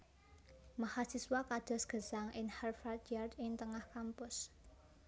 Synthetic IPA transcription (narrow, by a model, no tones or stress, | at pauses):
mahasiswakad̪̥ɔ̤sɡ̥ə̤saŋʔɪnharfat̪̚jardɪŋt̪əŋahkampʊs